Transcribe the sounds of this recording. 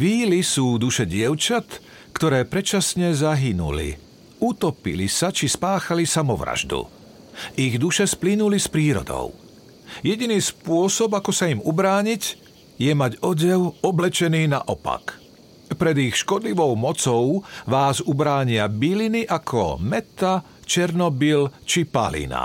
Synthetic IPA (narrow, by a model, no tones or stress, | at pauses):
ʋiːlisuːd̪uʃɛɟɪɛʊt͡ʃat̪ | kt̪ɔɾɛːpɾɛt͡ʃasɲɛzaɦinṵlḭ | ut̪ɔpḭlisat͡ʃispaːxalisamɔʋɾa̰ʒd̪ṵ | ʔiɣd̪uʃɛsplinulispɾiːɾɔ̰d̪ɔ̰ʊ | jɛɟiniːspʊɔsɔbakɔsaimubɾaːɲiɟ | jɛmaɟɔɟɛwɔblɛt͡ʃɛniːnaʔɔpa̰k | pɾɛd̪ixʃkɔd̪liʋɔʊmɔt͡sɔʊʋaːzubɾaːɲɪabiliniʔakʰɔ̰mɛt̪a | t͡ʃɛɾnɔbilt͡ʃipa̰lḭna̰